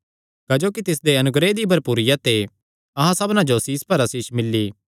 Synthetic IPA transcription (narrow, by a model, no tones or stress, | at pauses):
kad͡ʒoːkit̪ɪs̬d̪eɐnʊɡɾed̪ibʱɐɾpuːɾɪjat̪e | ɐɦãsɐbnãd͡ʒosiːspɐɾasiːʃmɪlːiː